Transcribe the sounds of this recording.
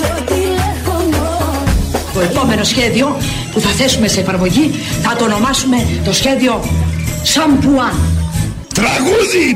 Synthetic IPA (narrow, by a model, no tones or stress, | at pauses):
t̪o̞e̞po̞me̞no̞sçe̞ðio̞ | puθɐθe̞sume̞seːfɐɾmo̞ʝi | θɐt̪oːno̞mɐsume̞t̪o̞sçe̞ðio̞sɐmpuɐn | t̪ɾɐɣuði